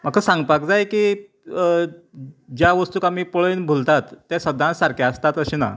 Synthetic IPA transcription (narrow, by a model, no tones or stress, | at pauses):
m̤ak̚kʰəsãŋɡpak̚d͡zajkiː | d͡ʑjaʋəst̪uːkamiːpoɭinbʱult̪at̪ːjasəd̪ʱːãnsaɾkʰaəst̪at̪əɕina̰